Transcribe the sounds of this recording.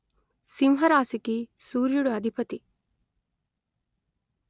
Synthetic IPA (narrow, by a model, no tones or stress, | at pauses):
simɦɐɾaːsikisuːɾjuɽuɐd̪ʱipɐt̪i